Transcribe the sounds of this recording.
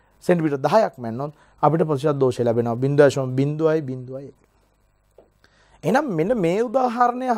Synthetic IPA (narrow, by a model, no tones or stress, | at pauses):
seɳʈipiʈəd̪aɦajakmænːot̪ | apiʈəpɐiʃiat̪̚d̪oːʃelæbenəʋabind̪uʋajsobind̪uʋajbind̪uajekl | enammenəmeːud̪aːɦaɾənejɦ